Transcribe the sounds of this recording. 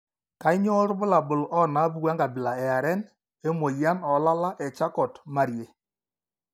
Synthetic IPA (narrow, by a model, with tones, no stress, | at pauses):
ka˨˦i˦ɲɔ˦ɾbʊ˦la˨bʊ˨lɔ˦na˦bu˦˨ɣwa˦ŋɡa˨bɪ˨la˨ɛ˨a˨ɾɛ˦n | e˦mo˨ja˦nɔ˨˦la˦la˦ʔɛ˨t͡ʃa˦kɔ˨tma˦˨ɾje˨